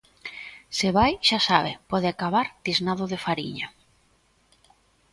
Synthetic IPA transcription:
sɪβajʃasaβɪpɔðɪakaβaɾt̪iznaðʊðɪfaɾḭɲa

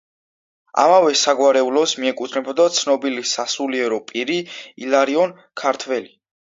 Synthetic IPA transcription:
a̰mavɛsaɡwaɾɛulɔsmiɛkʼut̪ʰnɛbɔd̪at̪sʰnɔbilisasuliɛɾɔpʼiɾiḭlaɾiɔn | kʰaɾt̪ʰwɛli

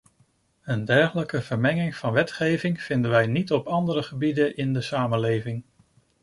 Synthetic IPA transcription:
əndɛɹχələkəv̥əɹmɛŋɪŋvɑnʋɛtχejvɪŋv̥ɪndənʋɛjnitɔpɑndəɾəχəbidənʔɪndəsaːmənlejvɪŋ

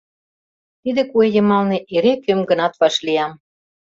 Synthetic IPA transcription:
t̪id̪ĕkuejɤ̆mɑlnĕʔeɾekømɡə̆nɑt̪βɑʃlijɑm

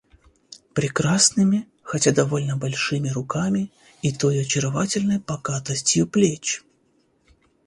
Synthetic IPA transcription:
pɾʲɪkɾasnɨmʲɪ | xɐtʲad̪ɐvo̞lʲnəbɐlʲʂɨmʲɪɾʊkamʲɪ | it̪ojʊɐt͡ɕɪɾɐvatʲɪlʲnəjpɐɡat̪əsʲtʲjʊplʲet͡ɕ

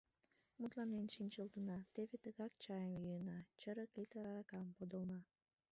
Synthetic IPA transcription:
mut̪lɑnenʃinʲt͡ɕəlt̪ənɑt̪eβet̪əɣɑk̚t͡ɕɑjəmjyjənɑt͡ɕəɾəklit̪əɾɑɾɑkɑmpod̪olnɑ

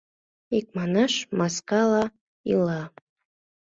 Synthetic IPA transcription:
ik̚mɑnɑʃmaskɑlɑ | ḭlɑ

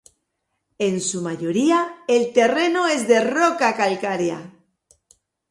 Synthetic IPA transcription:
e̞nsumaʝoɾiaelt̪e̞renoe̞zðe̞rokakalkaɾja̰

